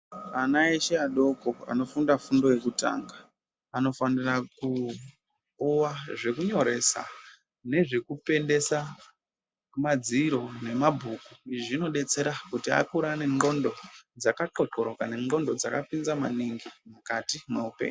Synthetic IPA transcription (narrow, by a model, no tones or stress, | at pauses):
anaeʃeaɗo̞ko̞a̰no̞fundafundo̞je̞kuta̰ːŋɡa | ano̞faniraku | uwaʐe̞kuɲo̞ɾe̞sa̰ | ne̞ʐe̞kupe̞nde̞sa | mad͡ziɾo̞ne̞mabʱuːkuiʐiʐino̞ɗe̞t͡se̞ɾakutia̰kuɾane̞ŋɡo̞ndo̞d͡zakaǃo̞ǃo̞ɾo̞kane̞ŋo̞ndo̞d͡zakapinzama̰niŋɡimukatimweupe̞̰ːɲu